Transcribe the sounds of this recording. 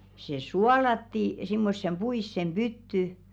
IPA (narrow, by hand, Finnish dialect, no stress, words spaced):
se suɑlɑtːi simːosːem b̥uisːem b̥ytːy